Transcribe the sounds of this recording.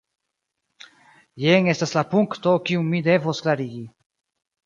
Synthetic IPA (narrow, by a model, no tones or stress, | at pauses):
jeŋe̞staslapuŋkto̞kiuŋmide̞vosklaɾiɡi